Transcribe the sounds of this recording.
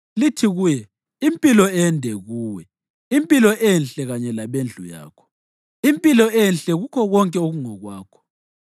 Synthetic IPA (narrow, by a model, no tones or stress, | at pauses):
litʰiɣuːjɛ | impʼilɔɛndʱɛɣuːwɛ | impʼilɔʔɛnɬʼɛɣaɲɛlaβend͡ɮʱuja̰ːkʰɔ̥ | impʼilɔɛnɬʼɛɣukʰɔɣɔŋkʼɛoɣuŋɔɣwaːkʰɔ̥